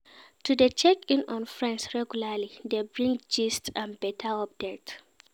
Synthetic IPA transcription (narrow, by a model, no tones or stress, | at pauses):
tudet͡ʃɛkĩnɔ̃nfɹɛ̃nsɹɛɡjulalidebɹĩŋd͡ʒistãnbɛtʰaɔp̚dɛk̚t